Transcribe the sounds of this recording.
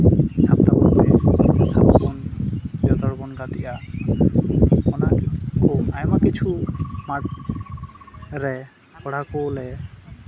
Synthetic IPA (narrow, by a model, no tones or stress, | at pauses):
sap̚t̪abɔ̰bɛsap̪abɔnbjɔt̪ɔɹbɔnɡat̪iʔa | ɔnakkonajmakit͡ʃʰumaʈ̚ | ɾɛ | kɔɽ̤akolɛ